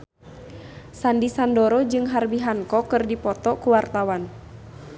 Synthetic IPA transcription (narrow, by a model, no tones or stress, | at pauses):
sandisandɔɾɔd͡ʒɨŋɦarbiɦaŋkɔkɨrdipɔt̪ɔkuwart̪awan